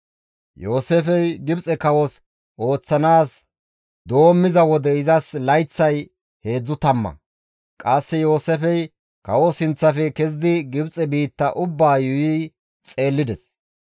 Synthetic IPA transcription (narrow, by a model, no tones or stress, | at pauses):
jo̞ːsefɛjɡɪbt͡sʼɛkɐwɔs | o̞ːt͡sːɐnaːs | d̪o̞ːmːɪzɐwɔd̪ɛɪzɐslɐjt͡sːɐj | he̞ːd͡zːʊt̪ɐmːɐ̰ | kʼɐsːɛjo̞ːsɛfɛj | kɐwɔsɪnt͡sːɐfɛkɛzɪd̪ɪɡɪbt͡sʼɛbiːt̪ːɐʔʊbːaːjʊjiː | t͡sʼe̞ːlːɪd̪ɛs